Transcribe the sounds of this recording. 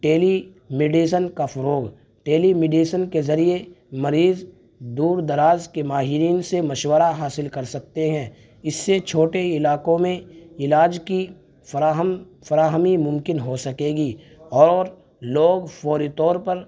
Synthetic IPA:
ʈeːli | mɪɖiːs̬ənkafɐɾoːɡ | ʈeːlimɪɖiːsənkezɐɾie | mɐɾiːz | d̪uːɾd̪ɐɾaːzkemaːɦɪɾiːnsemɐʃwəɾaɦaːsɪlkɐɾsɐk̚t̪eɦɛ̃ː | ɪsːet͡ʃʰoːʈeɪlaːkõmẽɪlaːd͡ʒki | faɦəm | fɐɾaːɦmimʊ̃mkɪnɦosɐkeːɡi | ɔːɾ | loːɡfɔːɾit̪ɔːɾpɐɾ

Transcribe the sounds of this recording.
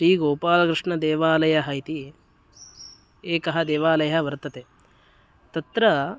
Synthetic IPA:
ʃɾiːɡoːpaːlɐkɾɪʂɳɐd̪eːʋaːlɐjɐɦɐjt̪i | eːkɐɦɐd̪eːʋaːlɐjɐɐʋɐɾt̪ɐt̪e | t̪ɐt̪ɾɐ

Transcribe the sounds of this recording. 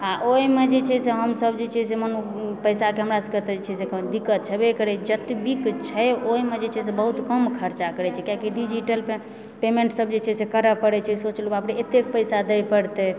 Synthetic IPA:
aʔoimed͡ʒet͡ʃʰɛseɦəmsəbd͡ʒet͡ʃʰɛseməno | pəjsakeɦəmɾasəkət̪ed͡ʒet͡ʃʰɛsekəd̪ikːət̪̚t͡ʃʰɛbekəɾɛt͡ʃʰd͡ʒət̪bikt͡ʃʰəoimed͡ʒet͡ʃʰɛsebəɦut̪kəmkʰəɾt͡ʃakəɾɛt͡ʃʰɛkjakiɖid͡ʒiʈəl | pemẽɳʈsəbd͡ʒet͡ʃʰɛsekəɾəpəɽɛt͡ʃʰɛsot͡ʃlobɦapneet̪ekpəjsad̪ɛjpəɽt̪ɛ

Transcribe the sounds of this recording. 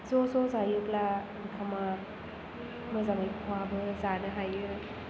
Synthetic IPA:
zɔzɔzajukla | nikʰama | mɯzaŋajkʰwabɯzanɯɦajɯɾ

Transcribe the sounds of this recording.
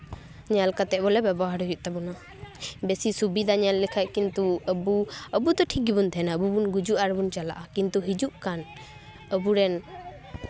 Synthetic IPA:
ɲalkat̪ɛʔbɔlɛbɛbɔɦaɾujuʔ̚t̪ɛbɔna | bɛsisubid̪ʱaɲalːɛkʰaʔkint̪uəbuəbud̪ɔʈʰikibunt̪ʰɛnaəbubunɡud͡ʒuʔaɾbunt͡ʃala̰ʔakint̪uɦid͡ʒuʔkan | əbuɾɛn

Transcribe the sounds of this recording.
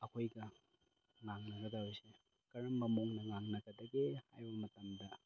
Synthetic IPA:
ɐkʰojɡɐ | ŋaŋnɐɡɐdaojse | kɐɾɐmbɐmoŋnɐŋaŋnɐkɐdɐɡehajbɐmɐtɐmdɐ

